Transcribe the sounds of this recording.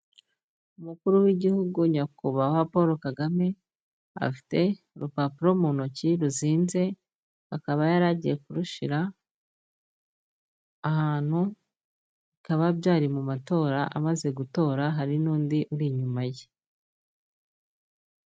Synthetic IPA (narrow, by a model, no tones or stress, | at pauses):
umukuɾuwiɟihuɡuɲakuβawapoɾo̞kaɡame̞ | a̰fi̥te̞ | ɾupapuɾo̞munociɾuziːnze̞ | akaβajaɾaːɟije̞kuɾuʃiɾa | haːn̥hu | ikaβabjaːɾimumato̞ːɾaʔamaze̞ɡuto̞ːɾaɦaɾinuːndiʔuɾiɲumaje